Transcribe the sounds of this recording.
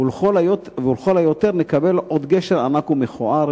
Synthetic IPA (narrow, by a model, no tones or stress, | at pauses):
ulovulχolajo̞t̪eʁnekabe̞lʔod̪ɡeʃeʁa̰nakumeχoʔaʁ